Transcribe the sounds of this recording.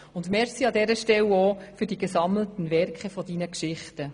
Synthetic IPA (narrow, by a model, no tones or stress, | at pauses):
ʊndmɛɾsiɑdɛɾəʃtɛloːfyɾd̥iɡesɑml̩tən̩vɛrkχɛfɔdinəkʃɪχtə